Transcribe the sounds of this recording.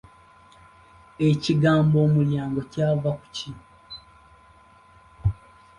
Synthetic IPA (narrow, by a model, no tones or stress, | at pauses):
eciɡaːmbo̞ːmuljaːŋɡo̞caːvaku̥ci